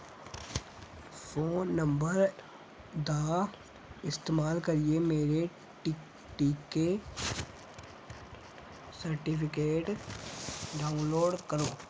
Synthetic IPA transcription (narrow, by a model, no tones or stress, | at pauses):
foːnːə̃mbəɾ | d̪aː | ɪst̪eːmaːlkɐɾiemeːɾe | ʈ | ʈiːke | sɐɾʈɪpʰɪkeːʈ | ɖaːʊ̃nloːɖkəɾoː